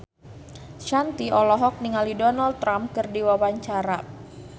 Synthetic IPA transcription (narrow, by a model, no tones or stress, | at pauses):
ʃant̪iɔlɔɦɔk̚niŋalidɔnalt̪ːɾamkɨrdiwawaɲt͡ʃaɾa